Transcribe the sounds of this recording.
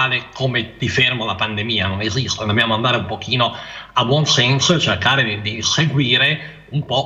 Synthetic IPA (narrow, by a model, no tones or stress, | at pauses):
lekʰomet̪ifermolapand̪emiːanonezist̪od̪objaːmoand̪aːɾeumpok̟iːnoabwɔnsɛnsoet͡ʃerkaːɾed̪id̪iseɡwiːɾe | umpɔ